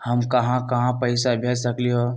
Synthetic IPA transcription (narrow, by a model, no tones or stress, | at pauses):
hɐmkɐɦãkɐɦãpɐɪsaɐbʱjasɾɐkliɦoː